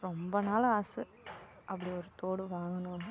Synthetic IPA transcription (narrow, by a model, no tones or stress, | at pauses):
rombɐnaːɭaːsɨ | ɐpːɐɽioɾut̪ːoːɽɨʋaːŋunːuɐɳɖɨ